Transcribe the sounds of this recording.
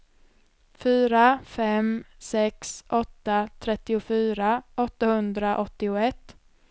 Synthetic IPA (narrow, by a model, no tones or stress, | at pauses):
fyːɾafɛmsɛksʔɔt̪ːat̪ʰɾɛt̪ːɪʊfyːɾaɔt̪ːahɵnd̪ɾaʔɔt̪ːɪʊɛt̪ː